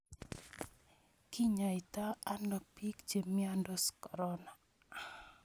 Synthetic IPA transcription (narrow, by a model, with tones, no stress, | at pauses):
ki˦ɲa˨i˨taː˦nɔ˨pi˦kd͡ʒe˨miandɔskɔɾɔna˨